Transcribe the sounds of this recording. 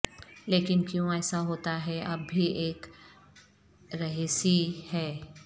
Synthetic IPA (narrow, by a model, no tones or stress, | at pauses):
leːkɪnkjõːɛːsaɦoːt̪aɦɛɐbːʱiʔeːk | ɾɐɦiːsihɛː